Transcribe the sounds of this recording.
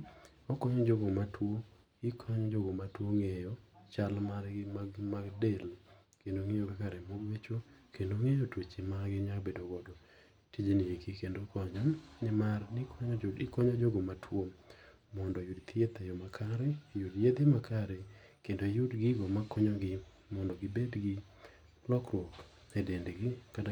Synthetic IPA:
ɔkɔɲɔd͡ʒoɡomatʰwo | ɪkʰɔɲɔd͡ʒoɡomatwoŋejɔt͡ʃalmaɾɡɪmamaɡdel | kendoŋejoɡekaɾɛmoɡwet͡ʃokendoŋejotwet͡ʃemaɡɪɲakbedoɡɔdɔ | tid͡ʒniekikendokɔɲɔnɪmarnɪkɔɪkɔɲɔd͡ʒoɡɔmatʰwomː | ɔndɔjudt̪ɪjet̪ɛjomakʰaɾɛjudjed̪emakaɾe | kendojʊdɡɪɡɔmakɔɲɔɡɪ | mɔndɔɡɪbedɡɪ | lɔkɾwok | ɛdendɡɪkada

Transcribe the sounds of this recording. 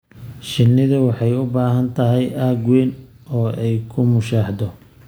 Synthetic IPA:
ʃɪnːɪðɐwɑħɑjʊbaːɦɐnt̪ʰɐɦɛjʔaːɡwɛːn | ɔːɛjkʰʊmʊʃaːħd̪ɔ

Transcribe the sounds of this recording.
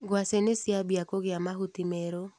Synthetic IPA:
ɡwasenɪsɪabiakoɡɪamaɦut̪imeɾo

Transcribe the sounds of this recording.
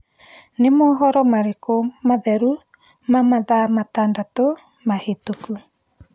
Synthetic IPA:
nemɔːɦɔɾɔmaɾekomaðɛɾu | mamaðamatandato | mahetoku

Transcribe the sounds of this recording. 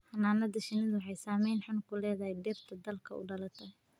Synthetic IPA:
ħɑnaːnɐd̪ɐʃɪnɐðʊwħɑjsaːmɛjnħʊnkʰʊlɛːðɐɦɛjɖɛːbt̪ʰɐd̪ɐlkʰɐʊ̰ɖɐlɐt̪ʰɐ

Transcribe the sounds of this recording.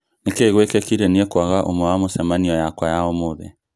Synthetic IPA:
nekeɣwekɛkiɾɛniɛkwaɣaʔomwɛwamosɛmaniɔjakwajaomoðɛ̰

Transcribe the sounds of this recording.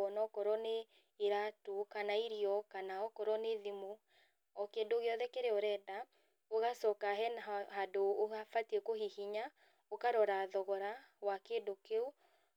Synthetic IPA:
ɔnɔkɔɾɔneː | ɾatukanaiɾiɔkanaɔkɔɾɔneðimu | ɔkeːndoɣeɔðɛkeɾeoɾɛda | oɣasɔkaɦɛnɦadoːɣafatiekoɦihiɲa | okaɾɔɾaðɔɣɔɾawakendokeu

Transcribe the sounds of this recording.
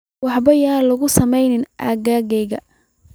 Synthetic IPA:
wɑħbɐjaːlʊɣʊsɐmɛjnɪnʔaɣaːɣɛjɣɐ

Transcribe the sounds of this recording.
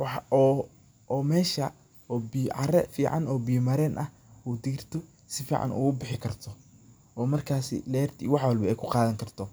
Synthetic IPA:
wɑħɔː | ɔːmɛːʃɐ | ɔːbijʕɑɾɛfiːʕɑ̰nɔːbijmɐɾɛːnʔɐh | uːd̪iːrt̪ʰʊ | sɪfiːʕɑ̰nṵːʊbɪħɪkʰɐrt̪ʰɔ | ʔɔːmɐrkʰaːsɪ̰lɛːrt̪ʰḭwɑħwɑlbɐɛjkʰʊqɑːðɐŋkʰɐrt̪ʰɔ

